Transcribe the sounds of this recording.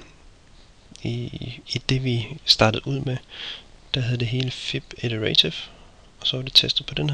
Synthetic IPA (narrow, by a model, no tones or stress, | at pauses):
id̥e̝ʋisd̥ɑ̈ːd̥əð̩ˠuð̰ˠme | d̥æɦeð̞ˠd̥e̝ɦe̝ːləfib̥ed̥əʁet͡sʰif | ɒ̽sɒ̽ʋɑd̥e̝t͡sʰesd̥ð̩ˠpʰɒ̽d̥enh